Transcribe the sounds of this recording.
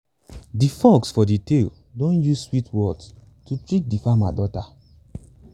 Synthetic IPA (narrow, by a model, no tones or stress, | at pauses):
difɔɡsfɔditel | dõnjuzswitwɔds | tutɹit̚difama̰dɔta